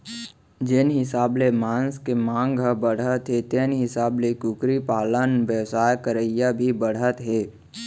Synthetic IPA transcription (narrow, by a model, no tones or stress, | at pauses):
d͡ʒenɦɪsaːblemãːnskemãːŋɡəbəɽ̤ət̪ɦet̪eːnɦɪsaːblekʊkɾipaːlənʋjəʋsaːjkəɾəijabʱibəɽ̤ət̪ɦeː